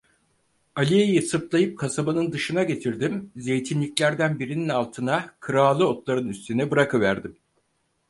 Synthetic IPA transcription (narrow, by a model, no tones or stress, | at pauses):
alʲijejisɯɾp̪lˠajɯp̚kʰasabanɯnd̪ɯʃɯnaɟe̞t̪ʰiɾd̪imze̞jt̪ʰinlʲiclʲæɾd̪ænbiɾininalˠt̪ʰɯnakʰɯɾaːlˠɯo̞t̪lˠaɾɯnyst̪ʰynɛbɯɾakʰɯvæɾd̪im